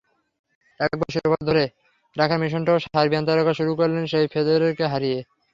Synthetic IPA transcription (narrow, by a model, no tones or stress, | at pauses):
akak̚baʃuɾobad̪ʱoɾe | ɾakʰaɾmiʃ̬onʈaoʃaaɾbiant̪aɾokaʃuɾukoɾlenʃejfʰed̪oɾeɾkeɦaɾije